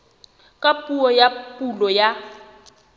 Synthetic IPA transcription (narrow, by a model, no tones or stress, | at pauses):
kʼapʼuɔjapʼulɔja